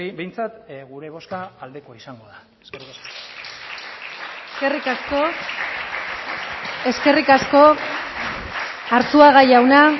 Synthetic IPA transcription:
bejnt͡sat̪ɣuɾe̞β̞o̞skaːld̪e̞koaisaŋɡoða | eskeri | kerikasko | e̞ske̞rikasko̞ | ɾt͡suaɣajawna

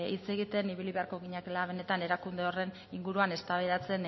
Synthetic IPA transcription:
it͡se̞ɣ̞it̪e̞niβ̞iliβe̞aɾko̞ɣiɲakelaβ̞e̞ne̞t̪ane̞ɾakund̪eo̞re̞n | iŋɡuɾuane̞st̪aβeðat͡se̞n

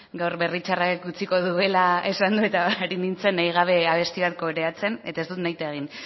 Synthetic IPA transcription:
ɡawɾβe̞rit͡ʃarakkut͡siko̞ðue̞lae̞sand̪ue̞t̪aɾinint͡se̞nːajɣ̞aβ̞e̞aβ̞e̞st̪iaɾkoɾe̞at͡se̞ne̞t̪ae̞zd̪ut̪najt̪eeɣ̞in

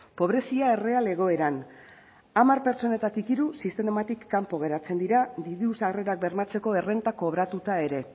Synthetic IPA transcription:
po̞β̞ɾe̞siae̞re̞ale̞ɣ̞o̞e̞ɾan | amaɾpe̞ɾt͡so̞ne̞t̪at̪ikiɾusist̪e̞mat̪ikːampo̞ɣ̞e̞ɾat͡se̞nd̪iɾad̪iðusaɣre̞ɾak̚be̞ɾmat͡se̞ko̞e̞re̞nt̪ako̞β̞ɾat̪ut̪ae̞ɾe̞

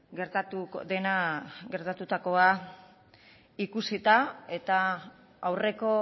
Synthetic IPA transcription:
ɡeɾt̪at̪ud̪e̞naɡe̞ɾt̪at̪ut̪ako̞a | ikusit̪ae̞t̪a | awre̞ko̞

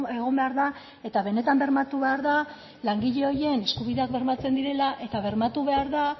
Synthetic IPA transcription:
eɣ̞o̞mbe̞aɾða | e̞t̪aβe̞ne̞t̪ambe̞ɾmat̪uβe̞aɾða | laŋɡiʎe̞o̞je̞ne̞skuβiðe̞akbe̞ɾmat͡se̞nd̪iɾe̞laʔe̞t̪aβe̞ɾmat̪uβe̞aɾða

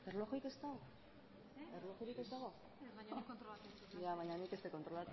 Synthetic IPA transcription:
erlo̞xike̞st̪aw | erlo̞xiɾike̞st̪aɣo | aɲont̪ɾolat̪eujaβaɲanike̞st̪eko̞nt̪ɾolat̪

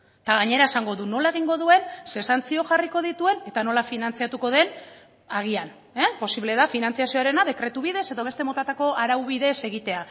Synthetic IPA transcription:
t̪aɣaɲe̞ɾae̞saŋɡo̞ðuno̞lae̞ɣ̞iŋɡo̞ðue̞nse̞sant͡sio̞ʝariko̞ð̞it̪ue̞ne̞t̪ano̞lafinant͡siat̪uko̞ð̞e̞n | aɣ̞ian | epo̞siβle̞ðafinant͡siasio̞aɾe̞naðe̞kɾe̞t̪uβiðe̞se̞ðo̞β̞e̞st̪emo̞t̪at̪ako̞ʔaɾawβiðe̞se̞ɣ̞it̪e̞a

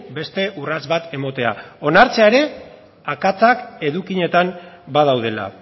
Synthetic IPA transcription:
be̞st̪e̞ʔurazβat̪e̞mo̞t̪e̞a̰o̞naɾt͡se̞aeɾe̞ | akat͡sake̞ðukiɲe̞t̪ambað̞awð̞e̞la̰

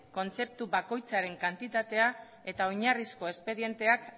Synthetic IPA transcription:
ko̞nt͡se̞p̚t̪uβako̞jt͡saɾe̞ŋkant̪it̪at̪e̞a | e̞t̪ao̞ɲarisko̞e̞spe̞ðije̞nt̪e̞ak

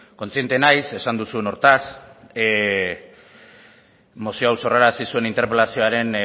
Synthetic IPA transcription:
ko̞nt͡sie̞nt̪e̞najse̞sand̪usue̞no̞ɾt̪as | mo̞sioawso̞raɾasisue̞nint̪eɾpe̞lasio̞aɾe̞n

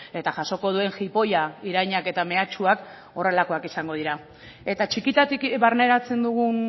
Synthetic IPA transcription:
e̞t̪aʝaso̞ko̞ðue̞ŋxipo̞jaiɾajɲake̞t̪ame̞at͡ʃuak | o̞re̞lako̞akisaŋɡo̞ðiɾa | e̞t̪at͡ʃikit̪at̪ikβaɾne̞ɾat͡se̞nd̪uɣ̞un

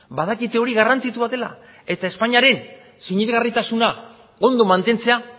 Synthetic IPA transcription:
baðakit̪e̞o̞ɾiɣarant͡sit̪uβat̪e̞la̰ | e̞t̪ae̞spaɲiaɾe̞n | siɲezɣarit̪asuna | o̞nd̪o̞mant̪e̞nt͡se̞a

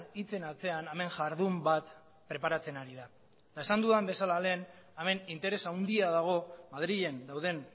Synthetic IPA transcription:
it͡se̞nat͡se̞aname̞ŋʝaɾðumbat̪ | pɾe̞paɾat͡se̞naɾiða | t̪aesand̪uðambe̞salale̞ːname̞nint̪e̞ɾe̞sawnd̪iaðaɣ̞o̞maðɾiʎe̞nd̪awð̞e̞n

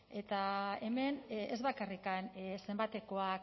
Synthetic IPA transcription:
e̞t̪ae̞me̞nḛzβakarikanse̞mbat̪e̞ko̞ak

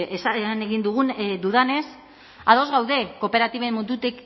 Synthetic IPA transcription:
esaeane̞ɣind̪uɣ̞und̪uðane̞s | aðo̞zɣawðe̞ko̞pe̞ɾat̪iβe̞mmund̪ut̪ek

